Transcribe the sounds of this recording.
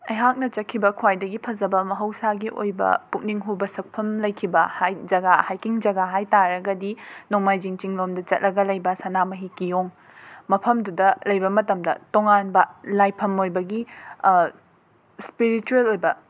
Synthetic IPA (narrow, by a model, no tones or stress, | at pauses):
ɐ̰jɦak̚nɐt͡ʃɐt̚kʰːibɐkʰwajdɐɡipʰɐzɐbɐmɐɦɐwsaɡiʔo̰jbɐ̰puk̚niŋɦubɐsɐk̚pʰɐmlɐjkʰibɐhajd͡ʒɐɡahajkiŋd͡ʒɐɡaɦajtaɾɐɡɐdinomajd͡ʒiŋt͡ʃiŋlomdɐt͡ʃɐt̚lɐɡɐlɐjbɐsanamɐɦikijoŋ | mɐpʰɐmdudɐlɐjbɐmɐtɐmdɐ̰toŋanbɐlajpʰɐmojbɐɡi | spiɾit͡ʃuelojbɐ